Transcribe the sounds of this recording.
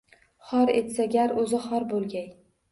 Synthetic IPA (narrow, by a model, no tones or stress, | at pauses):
χɒɾe̞t̪saɡʲaɾɵzɪχɒɾbolˠɡʲaj